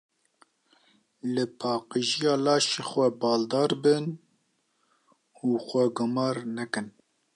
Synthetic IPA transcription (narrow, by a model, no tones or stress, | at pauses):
lɨpʰɑːqɨʒijɑːlɑːʃeːxʷɛbɑːld̪ɑːɾbɨn | uːxʷɛɡʊmɑːɾnɛkɨn